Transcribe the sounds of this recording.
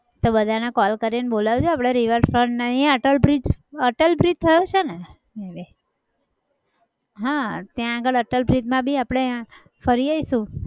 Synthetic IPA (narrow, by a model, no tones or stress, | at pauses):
t̪obəd̪ʱanekɔlkəɾinebolaʋut͡ʃʰuapɽ̃eɾiʋəɾɖfɾəɳɖnaieəʈəlbɾid͡ʒəʈəlbɾit̪̚t̪ʰəjot͡ʃʰene | ebe | ɦãt̪jãːɡəɭəʈəlbɾit̪mãbʱiapɽ̃e | fəɾiəisũ